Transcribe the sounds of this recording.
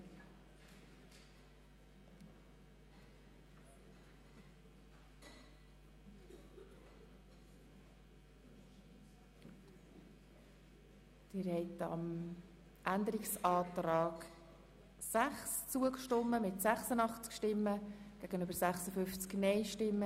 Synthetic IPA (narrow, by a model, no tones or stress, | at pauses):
d̪̥ɪɾhɛɪtɑ̰m | ʔænd̪əɾɪksɑːt̪ɾɑːɡ | sæχst͡suəkʃtɔmːəmɪtsæχsənɑχt͡skʃtɪmːəɡ̥æɡ̥ənøbəɾsæχsəfʏft͡sknɛɪʃtɪmːə